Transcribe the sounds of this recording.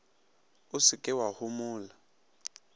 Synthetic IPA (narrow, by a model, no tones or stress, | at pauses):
ʊsɪkʼɪwahʊmʊːla